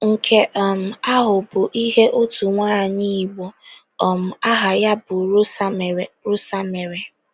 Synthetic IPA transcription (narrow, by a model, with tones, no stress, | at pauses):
ŋ̩˨kʰe˦ʔɔ˨m̩˨a˦ɦʊ˨bʊ˨ʔi˦ɦe˦ʔo˦tu˨ŋʷaː˦˨ɲi˦˨ɡ͡bɔ˨ | ɔ˨m̩˨a˦ɦa˨ja˦bʊ˨ɾɾʊ˦sa˦me˨ɾe˨